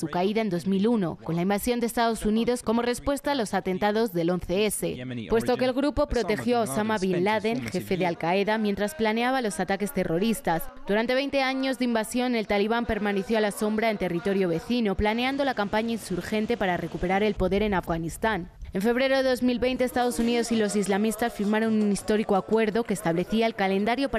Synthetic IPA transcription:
sukaiðae̞nd̪o̞zmiluno̞̰ko̞nlaimbasjo̞nd̪est̪aðo̞suniðo̞sko̞mo̞re̞spwe̞st̪aːlo̞sat̪e̞nt̪aðo̞zðe̞lo̞nθe̞ese̞̰pwe̞st̪o̞keːlɣɾupo̞pɾo̞t̪e̞xjo̞aosamaβinlaðe̞nxe̞fe̞ðealkae̞ðamjent̪ɾasplane̞aβalo̞sat̪ake̞st̪e̞ro̞ɾist̪azd̪̥uɾant̪eβe̞jnt̪e̞aɲo̞zðeimbasjo̞ne̞lt̪aliβ̞ampe̞ɾmãne̞θjo̞alaso̞mbɾae̞nt̪e̞rit̪o̞ɾjo̞β̞e̞θino̞plane̞ãnd̪o̞lakampaɲainsuɾxe̞nt̪e̞paɾare̞kupe̞ɾaɾe̞lpo̞ðe̞ɾe̞nafɣanist̪ane̞ɱfe̞β̞ɾe̞ɾoðeðo̞zmilβe̞jnt̪eːst̪að̞o̞sunið̞o̞silo̞sizlamist̪asfiɾmaɾonunist̪o̞ɾiko̞akwe̞ɾðo̞ke̞ːst̪aβle̞θiaelkale̞nd̪aɾjo̞p

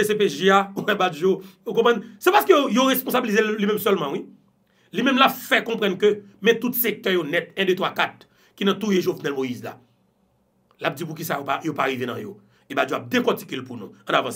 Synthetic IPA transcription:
esepeʒiauɛ̃bad͡ʒjoukɔ̃pʁɐ̃nsɛpasə̥køojoʁespɔ̃sabilizellimɛ̃msœlmãwi | limɛ̃mlapfɛkɔ̃pʁɐ̃nkø | mɛ̃t̪ut̪sek̚t̪œjonɛt̪̚ɛ̃det̪wakat̪̚ | kinɐ̃t̪ujeʒovnɛlmojizla̰ | lap̚d͡zip̬ukisajopajopaɣivenɐ̰̃jo̰ | ebad͡ʒjoap̚d̪ẽkɔ̃ti̥kelpunṵ̃ɐ̃navãs

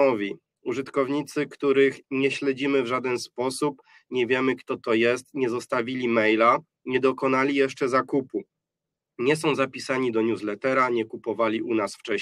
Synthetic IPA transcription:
ɔvʲi | uʐɘt̪kɔvɲit̪sɘkt̪uɾɘxɲɛɕlɛd͡ʑimɘvʐad̪ɛnspɔsup | ɲɛvʲjɛmɘkt̪ɔt̪ɔjɛst̪ɲɛzɔst̪avʲilʲimɛjla | ɲɛd̪ɔkɔnalʲijɛʂt͡ʂɛzakupu | ɲɛs̬ɔ̃w̃zapʲisaɲid̪ɔɲuzlɛt̪ɛɾaɲɛkupɔvalʲiʔunasft͡ʂɛ

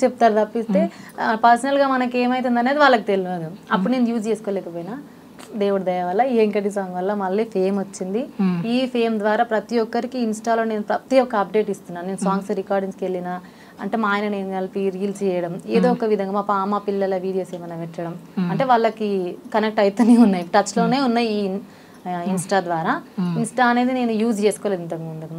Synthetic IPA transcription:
t͡ʃeput̪aːɾut̪ɐpːist̪e̞ːpɐɾsɐnɐlɡaːmɐnɐke̞ːmɐjt̪̬und̪ɐneːd̪iʋaːɭːɐk̬it̪e̞linɐd̪uɐpːuɽuneːnujuːd͡ʒt͡ʃeːsu̥koːlɛːkɐpoːjinaː | d̪eːʋuɽd̪ɐjaʋɐlːɐiːeŋkɐʈis̬aːŋɡʋɐlːɐmɐlːiːpʰe̞ːmʋot͡ʃːind̪iiːpʰeːmd̪ʋaːɾaːpɾɐt̪ijɔkːɐɾikiːnsʈaːloːne̞ːnupɾɐt̪ijɔkːɐɐp̚ɖe̞ːʈist̪unːaːnneːnusaːŋɡsɾikaːɾɖiŋskelːinaː | ɐ̰ɳʈeːmaːjnɐneːnuɡalpiːɾiːlt͡ʃt͡ʃɛːjɐɽɐmeːd̪oːɔkɐʋid̪ʱɐŋɡaːmaːpaːmaːpilːɐlɐʋiːɽijo̞ːseːmɐnɐʋɛt͡ʃːɐɽɐmɐɳʈe̞ːʋaːɭːɐkikɐnek̚ʈɐjt̪ɐniunːaːjiʈɐt͡ʃːlo̞ːne̞ːunːɐiː | insʈaːd̪ʋaːɾaːinsʈaːɐne̞ːd̪ine̞ːnujuːd͡ʒt͡ʃe̞ːsu̥koːled̪int̪ɐŋɡuɳɖɐd̪u

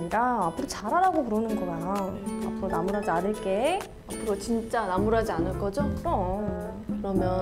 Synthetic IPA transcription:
ɲikaapʰɯɾot͡ɕaɾaɾaɡopuɾʌnɯnɡʌɾajaa̰pʰɯɾonamuɾɦad͡ʑianɯɭk͈e̞ | apʰɯɾot͡ɕint͡ɕ͈anamuɾad͡ʑianɯɭk͈ʌd͡ʑokɯɾʌ | kɯɾʌmjʌ

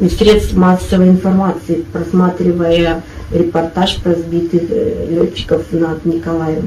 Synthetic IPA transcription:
isʲɾʲe̞t̪st̪vmasːəvəjɪnfɐrmat̪sɨɪpɾɐsmat̪ɾʲɪvəjəɾʲɪpɐrt̪aʂpɾɐzbʲit̪ɨxlʲotʲːɪ̥kəfnɐd̪nʲɪkɐlˠajɪ

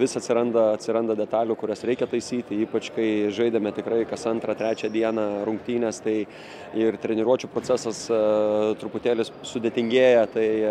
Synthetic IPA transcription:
ʋʲɪsɐt̪ʲsʲɪɾɐnd̪ɐɐt̪ʲsʲɪɾɐnd̪ɐd̪ʲɛt̪ɑːlʲuːkʊɾʲɛsɾʲɛɪkʲɛt̪ɐɪsʲiːt̪ʲɪiːpɐt͡ʃkɐɪʒɐɪd̪ʲemʲɛt̪ʲɪkɾɐɪkɐsɐnt̪ɾɑt̪ʲɾʲæːt͡ʃʲæd̪ʲiɛnɑɾʊŋk̚t̪ʲiːnʲɛst̪ɐɪ | ɪrt̪ʲɾʲɛnʲɪɾuɔt͡ʃʲuːpɾoːt͡sʲæsɐs | t̪ɾʊpʊt̪ʲeːlʲɪssʊd̪ʲeɛt̪ʲɪŋʲɡʲeːjɛt̪ɐɪ

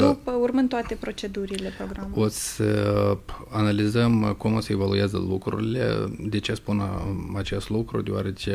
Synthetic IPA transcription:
d̪upəurmɨnt̪oat̪e̞pɾo̞t͡ʃe̞d̪uɾile̞pɾoɡɾamot̪sʲə | analizəmkumo̞səevalujazə̰lukɾṵɾile̞̰d̪e̞t͡ʃespunat͡ʃe̞st̪lukɾud̪eoaɾet͡ʃe

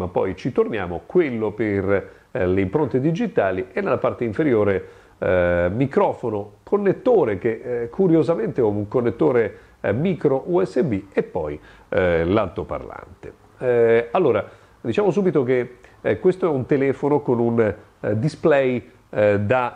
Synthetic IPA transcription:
mapːɔ̰jt͡ʃit̪ornja̰ːmo̰kwelːoper | leimpɾont̪ed̪id͡ʒit̪aːliʔenːelːapart̪eiɱfeɾjoːɾe | mikɾɔːfonokʰonːet̪ːoːɾek̟ekʰuɾjozament̪eouŋkonːet̪ːoːɾe | miːkɾoʔuɛsːebiepːɔ̰j | lalt̪opa̰rla̰nt̪e̥̰ | alːoːɾa | d̪it͡ʃaːmos̬uːbit̪ok̟ekwest̪oɛunt̪elɛːfonokonun | d̪isplɛj | d̪a

